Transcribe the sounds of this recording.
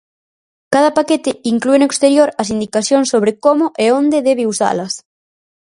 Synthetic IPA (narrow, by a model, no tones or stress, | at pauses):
kað̞ɐpaket̪ɪiŋkluenoekst̪eɾjoɾɐsind̪ikaθjoŋsːoβ̞ɾekomʊʔeond̪eðɛβeusa̰lɐs